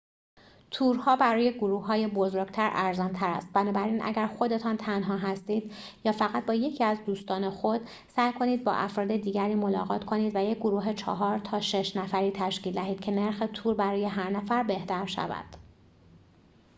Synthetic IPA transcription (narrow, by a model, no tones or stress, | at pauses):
t̪ʰuːɾhɒːbæɾɒːje̞ɡoɾuːhːɒːjebo̞zoɾɟ̥̚t̪ʰæɾʔæɾzɒnt̪ʰæɾæ̰st̪̚bænɒːbæɾiːnʔæ̰ɟæɾxo̞d̪e̞t̪ʰɒːnt̪ʰænɦɒːɦæst̪iːd̪̥jɒːfæɣæt̪̚bɒːje̞cʰiːæzd̪uːst̪ɒːne̞xo̞d̪̥ | sæjkʰo̞niːd̪̚bɒ̰ʔæfɾɒːd̪e̞d̪iːɟæɾiːmolɒ̰ːɣɒ̰ːt̪kʰo̞niːd̪væjec̚ɡoɾuːɦe̞t͡ʃʰɒ̰ɦɒːɾt̪ʰɒːʃe̞ʃnæfæɾiːt̪ʰæʃciːld̪æɦiːd̪̚cʰe̞ne̞ɾxe̞t̪ʰuːɾbæɾɒːje̞ɦæɾnæfæɾbe̞ht̪ʰæɾʃæ̰væ̰d̪̥